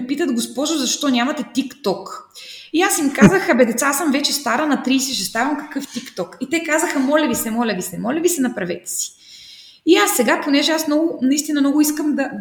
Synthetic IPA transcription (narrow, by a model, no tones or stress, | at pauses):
pit̪əd̪ɡospɔʒʊzɐʃt̪ɔnʲamɐt̪ɛt̪ikt̪ɔkiasimkazəxɐbɛd̪ɛt̪saasəmvɛt͡ʃɛst̪aɾənɐt̪ɾiːsɛʃ̬ɛst̪avɐmkɐ̥kɤft̪ikt̪ɔkit̪ɛkazəxɐmɔlʲɛvisɛmɔlʲɐvisɛmɔlʲɐvisɛnɐpɾɐvɛt̪ɛ̥si̥ | iasːɛɡaponɛʒɛasmnɔɡʊnɐist̪inɐmnɔɡʊiskəmd̪ɐ